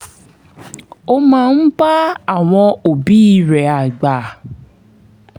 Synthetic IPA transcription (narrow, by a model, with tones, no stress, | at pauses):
o˦mãː˦˧n̩˦ba˦a˦˨w̃ɔ̃˧o˨bi˨˦i˦ɾɛ˨˦a˨ɡ͡ba˨